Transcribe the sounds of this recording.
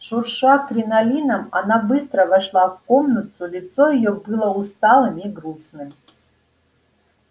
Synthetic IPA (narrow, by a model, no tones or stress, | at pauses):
ʂurʂakrʲinalʲinɐma̰nabɨst̪ɾəvaʂlˠavkomnət̪ʰulʲɪt̪sojijobɨlˠəust̪alˠɨmiɡrusnɨm